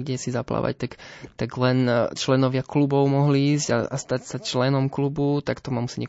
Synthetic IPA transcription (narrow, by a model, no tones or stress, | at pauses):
ɡɟɛsizapla̰ʋa̰ct̪akt̪aɡlɛnt͡ʃlɛnɔʋɪaklubɔʊmɔɦliiːzɟa̰ast̪acsat͡ʃlɛnɔmklubut̪akt̪ɔmamusiɲɛ